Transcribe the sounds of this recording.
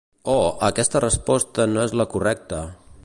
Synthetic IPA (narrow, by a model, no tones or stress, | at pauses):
oəkɛst̪ərəspɔst̪ənoezləkurɛk̚t̪ə